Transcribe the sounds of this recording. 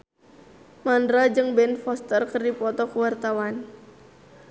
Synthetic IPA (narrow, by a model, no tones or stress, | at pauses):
mandɾad͡ʒɨŋbɛnfɔst̪ərkərdipɔt̪ɔkuwart̪awan